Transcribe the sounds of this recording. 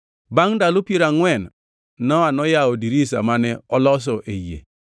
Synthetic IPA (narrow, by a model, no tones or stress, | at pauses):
baŋdalʊpiɾaŋwɛnː | ɔanɔjaodiɾisa̰manɛɔlɔs̬ɔʔejḛ